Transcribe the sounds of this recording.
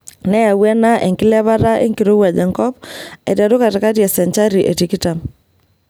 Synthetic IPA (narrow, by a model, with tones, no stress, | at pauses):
nɛ˦ja˨wɛ˦na˦ʔḛ˨ŋkɪ˦lɛ˦βa˦ɾa˦ʔḛ˦ŋki˨ɾo˦wa˨d͡ʒɛ˨ŋkɔ˦pɛ̰˨da˨ɾʊ˦ka˨ta˨ka˦tjɛ˨sɛ˨ɲt͡ʃa˦ɾi˨ʔe˨ti˨ki˦ta˨m